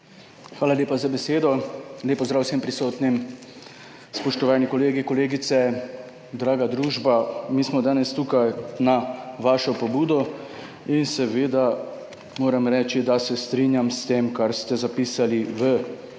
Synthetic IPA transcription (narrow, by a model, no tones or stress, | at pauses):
xʋaːlaleːpazabɛseːd̪ɔleːpɔzd̪ɾaːwsɛmpɾisoːt̪nim | spɔʃt̪ɔʋaːnikɔleːɡikɔleːɡit̪sɛ | d̪ɾaːɡad̪ɾuːʒbamiːsmɔd̪aːnɛst̪uːkajnaʋaːʃɔpɔbuːd̪ɔ | insɛʋeːd̪a | moːɾɛmɾɛːt͡ʃid̪asɛst̪ɾiːnjamst̪eːmkaɾst̪ɛzapiːsaliʋə